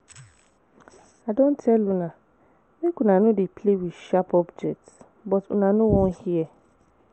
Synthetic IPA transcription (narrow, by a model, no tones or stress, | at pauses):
adõntʰɛlunã | mẽkʰunãnʊ̃dɪpʰlewiʃapʰɔbd͡ʒɛk̚t | bɔtʊ̰nãnʊ̃wɔ̃nhiɛ